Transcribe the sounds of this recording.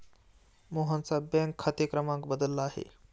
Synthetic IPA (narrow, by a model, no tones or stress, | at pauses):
moɦə̃nsabɛ̃ŋkʰːɐt̪ekɾəmãŋkbəd̪əlːaːɦḛ